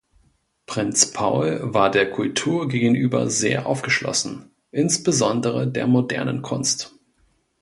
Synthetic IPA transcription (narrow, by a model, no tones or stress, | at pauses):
pʁ̥ɪnt͡spʰaʊlvaːɐdeːɐkʰʊltʰuːɐɡeːɡŋ̩ʔyːbɐ̰zḛːɐʔa̰ʊfɡ̥əʃlɔ̰sn̩ | ʔɪnsb̥əzɔndəʁədḛːɐmodɛ̰ɐnə̰nkʰʊnst